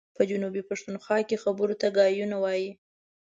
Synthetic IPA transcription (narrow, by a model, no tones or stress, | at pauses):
pəd͡ʒʊnubipaʂt̪unxwɑkexabəɾot̪aɡɑjunawɑji